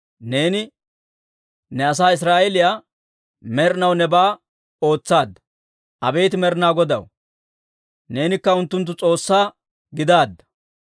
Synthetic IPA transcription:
ne̞ːnɪ | nɛɐs̬aːɪs̬ɾaːɛlɪjaː | mɛɾɪnɐwnɛbaː | o̞ːt͡sːaːd̪ːɐ̥ | ʔɐbe̞ːt̪ɪmɛɾɪnaːɡɔd̪ɐ̰w | ne̞ːnɪkːɐʊnt̪ːʊnt̪ːʊt͡sʼo̞ːsːaː | ɡɪd̪aːd̪ːɐ̥

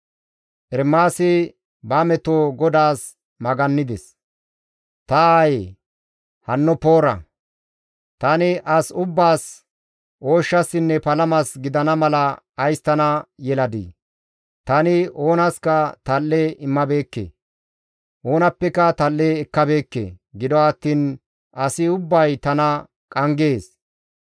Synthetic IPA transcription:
ʔɛɾmːaːsɪ | bɐmɛt̪oːɡɔd̪aːs | mɐɡɐnːɪd̪ɛs | t̪ɐaːje | hɐnːɔpo̞ːɾɐ̰ | t̪ɐnɪʔɐsʊbːaːs | ʔoːʃːɐsɪnːɛpɐlɐmɐsɡɪd̪ɐnɐmɐlɐː | jst̪ɐnɐjɛlɐd̪ḭː | t̪ɐnɪo̞ːnɐskɐt̪ɐlːeɪmːɐbe̞ːkːḛː | ʔo̞ːnɐpːɛkɐt̪ɐlːeːɛkːɐbe̞ːkːḛɡɪd̪ɔɐt̪ːiːn | ʔɐsɪʊbːɐjt̪ɐnɐ | kʼɐŋɡe̞ːs

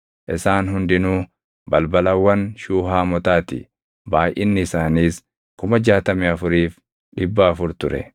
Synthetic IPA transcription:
ʔɪsaːnɦʊnd̪ɪnuː | bɐlbɐlɐwːɐnʃuːɦaːmɔt̪aːt̪ɪ̰ | baːjʔɪnːɪːsaːniːs | kʊmɐd͡ʒaːt̪ɐmɛɐfʊɾiːf | ᶑɪbːaːfʊɾt̪ʊɾɛ̰

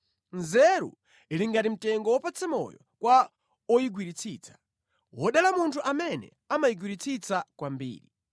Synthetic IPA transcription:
nzɛɾṵ | iliŋɡatim̩tɛŋɡɔwɔpat͡sʰɛmɔ̰jɔkwa | ɔjiɡwiɾit͡sʰiːt͡sʰḁ | wɔɗalamuntʰuʔamɛnɛ̰ | amajiɡwiɾit͡sʰit͡sakwambḭːɾi

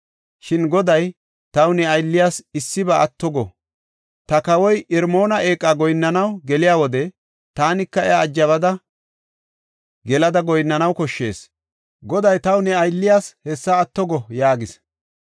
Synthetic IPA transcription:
ʃɪnɡɔd̪ɐj | t̪ɐwnɛɐjlːɪjaːsɪsːɪbɐɐt̪ːɔɡɔ | t̪ɐkɐwɔjɪɾmo̞ːnɐʔeːkʼːaːɡɔjnːɐnɐwɡɛlɪjaːwɔd̪ɛ | t̪aːnɪkːɐɛaːd͡ʒːɐβɐd̪ɐ | ɡɛlɐd̪ɐɡɔjnːɐnɐwkɔʃːe̞̰ːs | ɡɔd̪ɐjt̪ɐwnɛɐjlːɪjaːshɛsːɐːt̪ːɔɡɔjaːɡɪs

